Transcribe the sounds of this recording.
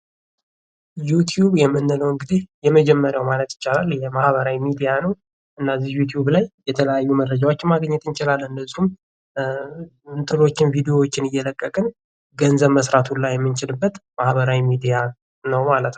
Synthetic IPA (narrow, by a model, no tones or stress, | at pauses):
jut̪ʰjubjɛmːɨnːɨləwɨŋɡɨd̪ihjɛməd͡ʒɛmːəɾawmalət̪jɪt͡ʃːalalːjɛmahβəɾawimid̪ijanəw | ʔɨnːazihjut̪ʰjublajjɛt̪ʰələjajːuməɾrəd͡ʒawot͡ʃːɪnmaɡɲːɛt̪ɨnt͡ʃɪlalːɨnːəzːihum | nt̪ʰɨlo̞t͡ʃːɪnvid̪io̞wot͡ʃːɪnɨjːɛləkʼːəkʼɨn | ɡənzəβməsɾat̪ʰunlajɛmːɨnt͡ʃɪlɨbːət̪mahβəɾawimid̪ija | nəwmalət̪n